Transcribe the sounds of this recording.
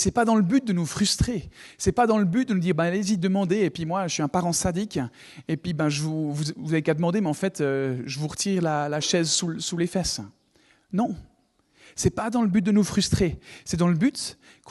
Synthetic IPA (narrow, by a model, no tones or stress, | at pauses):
sɛpad̪ɑ̃ləbyt̪̚d̪ənufχyst̪χesɛpad̪ɑ̃ləbyt̪̚d̪ənud̪iʁbɛ̃alezid̪əmɑ̃d̪eːpɥimwasɥiɛ̃paʁɑ̃sad̪ikʲ | epɥibɛ̃ʒəvuvuzvuzavekad̪əmɑ̃d̪emɛɑ̃fɛt̪øʒəvuʁət̪ʰiʁlalaʃɛzsusulefɛs | nɔ̃ | sɛpad̪ɑ̃ləbyt̪̚d̪ənufχyst̪χesɛd̪ɑ̃ləbyt̪ | k